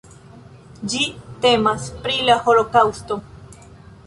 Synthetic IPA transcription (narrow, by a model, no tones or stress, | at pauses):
d͡ʒite̞maspɾilaho̞lo̞kawsto̞